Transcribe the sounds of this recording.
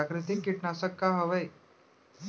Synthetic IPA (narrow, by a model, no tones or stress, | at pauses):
akɾɯt̪ikːiʈnasəkːaɦəʋəj